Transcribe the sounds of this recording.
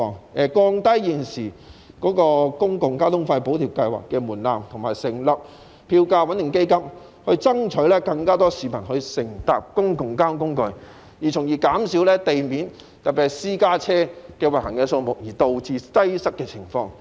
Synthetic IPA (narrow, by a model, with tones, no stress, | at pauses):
ɔː˨˩ŋɛː˨˧kɔː˧ŋt̪ɐ˥jjiː˨nsiː˨˩ | kɔː˨˥kɔː˧kʊ˥ŋkʊ˨˩ŋkaː˥t̪ʊ˥ŋfɐ˧jpo˨˥wt̪ʰi˨˩wkɐ˧jwa̰ː˨˩kːɛː˧muː˨˩nla̰ː˨mt̪ʰʊ˨˩ŋmaː˨˩jsɪ˨˩ŋlɐ˨p̚ | pʰiː˧wkaː˧wɐ˨˥njɪ˨˩ŋke˥jkɐ˥m | hɵ˧ɥt͡sɐ˥ŋt͡ʃʰɵ˨˥lɛː˥kɐ˧ŋkaː˥t̪ɔː˥siː˨˩mɐ˨˩nhɵ˧ɥsɪ˨˩ŋt̪aː˨p̚kʊ˥ŋkʊ˨˩ŋkaː˥nkʊ˥ŋkɵ˧ɥ | jiː˨˩t͡sʰʊ˨˩ŋjiː˨kaː˨˥msi˨˥wlɛː˥t̪e˨jmiː˨˥n | t̪ɐ˨k̚pi˨thsiː˥kaː˥t͡sʰɛː˥kɛː˧wɐ˨˩hɐ˨˩ŋkɛː˧so˧wmʊ˨˩k̚jiː˨˩t̪o˨˧wt͡siː˧tɐ˥jsɐ˥k̚kːɛː˧t͡sʰɪ˨˩ŋfɔː˧ŋ